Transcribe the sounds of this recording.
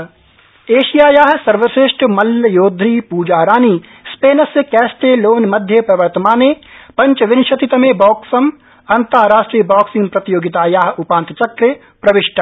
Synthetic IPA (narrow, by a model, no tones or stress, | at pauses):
eːʃijaːjaːɦsɐɾʋɐʃeʃʈmɐlːjoːd̪ʱɾiːpuːd͡ʒaːɾaːniː | speːnɐsekɛːsʈeːloːnmɐd̪ʱjepɾɐʋɐɾt̪ɐmaːneːpɐ̃ɲt͡ʃʋɪnʃɐt̪it̪ɐmeːbɔːksɐm | ɐnt̪aːɾaːʃʈɾiːəbaːksɪ̃ŋɡpɾɐt̪ijoːɡɪt̪aːjaːɦʊpaːnt̪ɐt͡ʃɐkːɾe | pɾɐʋɪʃʈʰa